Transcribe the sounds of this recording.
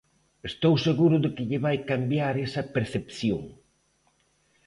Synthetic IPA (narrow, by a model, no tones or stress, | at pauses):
est̪owseɣuɾʊðɪkɪʎɪβajkambjaɾesɐpeɾθepθjoŋ